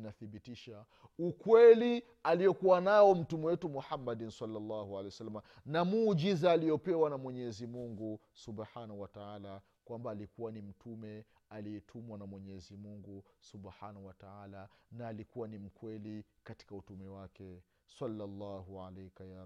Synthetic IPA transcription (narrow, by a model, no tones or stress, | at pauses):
naθiɓitiʃa | ukwɛli | alijɔkuwanaɔm̩tumɛwɛtumuħamːadinsalːalːahualɛjsalːama | namuːd͡ʒizaːlijɔpɛwanamwɛɲɛzimuŋɡu | subħanahuwataala | kwambaːlikuwanim̩tʰumɛ | aliɛtʰumwanamwɛɲɛzimuŋɡusubħanahuwataalanaːlikuwanim̩kwɛlikati̥kautumɛwakɛ | salːalːaɦuʕalɛjkaja